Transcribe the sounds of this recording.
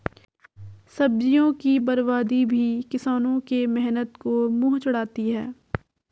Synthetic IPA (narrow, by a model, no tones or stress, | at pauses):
sɐb̚d͡ʒijõkibɐɾbaːd̪ibʱikɪsaːnõkemɛɦnət̪komuːɦt͡ʃʊɽaːt̪iɦɛː